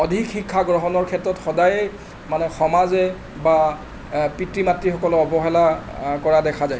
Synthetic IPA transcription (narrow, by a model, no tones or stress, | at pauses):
ɔdʱikxikʰːaɡɹɔɦɔnɔɹkʰɛtɹɔtxɔdajɛ | manɛxɔmazɛ | ba | pitɹimatɹixɔkɔlʊɔbɔɦɛlakɔɹadɛkʰazaj